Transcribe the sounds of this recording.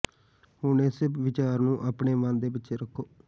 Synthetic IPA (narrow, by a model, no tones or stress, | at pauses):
ɦʊnesɪpʋɪt͡ʃaːɾnũːʔaːpɳeːʋə̃ːnd̪eːpɪtːʃʰeːɾəkʰːoː